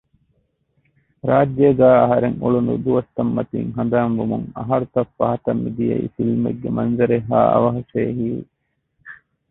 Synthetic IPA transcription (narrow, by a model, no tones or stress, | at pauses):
ɾaːd͡ʒjeːɡæːɐɦɐɾeŋuɭunṵd̪uʋɐst̪ːɐmːɐt̪iːŋɦɐnd̪aːŋʋumuŋɐ̰ɦɐɾut̪ɐfːɐɦɐt̪ɐmːid̪ijɐ̰ḭfilmḛɡːemɐnzɐɾeɦːaːɐ̰ʋɐɦɐʃeːɦiː